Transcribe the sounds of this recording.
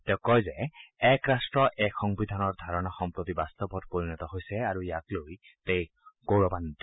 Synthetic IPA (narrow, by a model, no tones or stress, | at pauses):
t̪ɛʊ̃kɔjzɛɛkɹastɹɔʔɛkxɔŋbid̪ʱanɔɹd̪ʱaɹɔnaxɔmpɹot̪ibast̪ɔbɔtpoɹinɔt̪ɔɦojsɛaɹujakloj | tej | ɡ̥owɹɔbant̪i